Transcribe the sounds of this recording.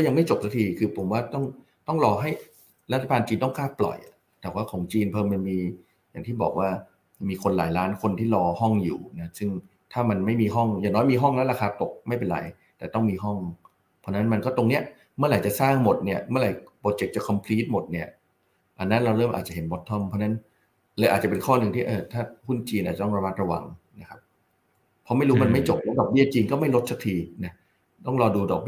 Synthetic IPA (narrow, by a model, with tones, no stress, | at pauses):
kɔː˥˩ja˧ŋma˥˩jt͡ɕo˨˩p̚sa˧˥t̪ʰiː˧kʰɯː˧pʰo˩˦mwaː˥˩t̪ɔ˥˩ŋ | t̪ɔ˥˩ŋɾɔː˧ɦa˥˩j | ɾa˦˥t̪ʰːa˧baː˧nt͡ɕiː˧nt̪ɔ˥˩kʰaː˥˩ppːlɔ̰˨˩j | t̪ɛː˨˩waː˥˩kʰɔː˩˦ŋt͡ɕiː˧npʰɤː˧ma˧nmiː˧ | ja̰ː˨˩ŋt̪ʰiː˥˩bɔ̰ː˨˩k̚waː˥˩ | miː˧kʰo˧nla̰ː˩˦jlaː˦˥nkʰo˧nt̪ʰiː˥˩lɔː˧hɔ˥˩ŋjṵː˨˩na˦˥sɯ˥˩ŋ | t̪ʰaː˥˩ma˧nma˥˩jmiː˧ɦɔ˥˩ŋjaː˨˩ŋnɔː˦˥jmiː˧ɦɔ˥˩ŋlɛ˦˥laː˧kʰaː˧t̪o˨˩k̚ma˥˩jpe˧nɾa̰˨˩˦j | t̪ɛː˨˩t̪ɔ˥˩ŋmiː˧ɦɔ˥˩ŋ | pʰɔ˦˥na˦˥nma˧nkɔ˥˩t̪o˧ŋni˦˥ɐ | mɯ˥ɐɾa˨˩jt͡ɕa˨˩saː˥˩ŋmo˨˩t̪̚ni˥˩ɐmɯ˥˩ɐɾa˧˩jpɔː˧˩t̪̚t͡ɕe˨˩t̚t͡ɕa˨˩kʰɔ˧mpʰliː˦˥t̪̚mo˨˩t̪̚ni˥˩ɐ | ʔa˧nːa˦˥nɾa˧wɾɤː˥˩mʔa̰ː˨˩t̪̚t͡ɕa˨˩ɦe˩˦nbɔ˦˥t̪ʰːɔ˥˩mpʰɔ˧˥na˦˥n | la˧˩ʔaː˨˩t̪̚t͡ɕa˨˩pe˧nkʰɔː˥˩nɯ˧ŋt̪ʰiː˥˩ʔɤː˧˩t̪ʰaː˥˩hu˥˩nt͡ɕiː˧nʔaː˨˩a˨˩t̪ɔ˥˩˧ɾa˧ma˦˥ɾa˧wa̰˧ŋ | na˦˥kʰa˦˥p̚ | pʰːɔ˦˥ma˥˩jɾuː˦˥ma˧nma˥˩jt͡ɕo˨˩p̚lɛː˦˥dɔː˨˩k̚bi˥˩ɐt͡ɕiː˧ŋkɔː˥˩ma˥˩jlo˦˥t̪̚sʰa˦˥kt̪ʰiː˧na˦˥ | t̪ɔ˥˩ŋlɔː˧duː˧dɔ̰˨˩k̚bi˥